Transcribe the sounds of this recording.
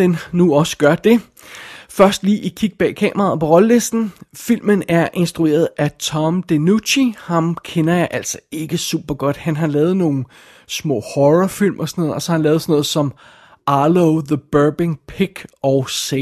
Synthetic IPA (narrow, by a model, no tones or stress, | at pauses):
ennuɒ̽sə̥ɡ̥ɶɐd̥e̝ | fɶɐsd̥liːʔikʰiɡ̥̚b̥ɛ̰ːkʰɛ̰ːmɐʁɑ̈ð̩ˠpʰɒ̽ʁɒ̽ləle̝sd̥n̩fil̰mənæɐʔe̝nsd̥ʁue̝̰ːɐð̩ˠæt͡sʰɒ̽md̥enuɕihɑ̈mkʰenɐjɑ̈ɪʔæl̰sɒ̥e̝ɡ̥əsṵb̥ɐɡ̥ɒ̽d̥hænɦɑ̈lɛːð̞̩ˠno̝ːn̩ | smɔ̰ːhɒʁɒfil̰mʔɒ̽sɒnɔːðˠɒ̽sɒɑhænlɛːð̩ˠsnɔ̽ːð̞̩ˠsɒ̽m | ʔɑloʊðəb̥ɜːb̥eŋpʰiɡ̥ɒʊse